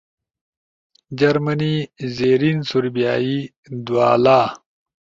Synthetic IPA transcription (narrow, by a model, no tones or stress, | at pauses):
d͡ʑɐɾmɐnizeːɾinsuɾbijaːi | d̪ua̰ːlaː